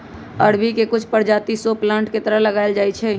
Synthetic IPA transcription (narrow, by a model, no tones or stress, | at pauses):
əɽbikekʊt͡ʃʰpəɾd͡ʒaːt̪isoːplãːɳʈket̪əɾəɦləɡaːɪld͡ʒaːit͡ʃʰɛː